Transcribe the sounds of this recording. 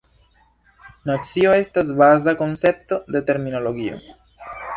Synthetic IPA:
nat͡sio̞e̞stas̬bazako̞nse̞pto̞de̞te̞ɾmino̞lo̞ɡio̞̰

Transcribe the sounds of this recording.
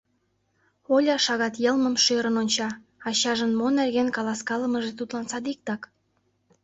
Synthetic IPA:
olʲɑʃɑɣɑt̪jɤlməmʃøɾənonʲt͡ɕɑ | ɑɕɑʒənmonerɣenkɑlɑskɑləməʒet̪ut̪lɑnsɑd̪ik̚t̪ɑk

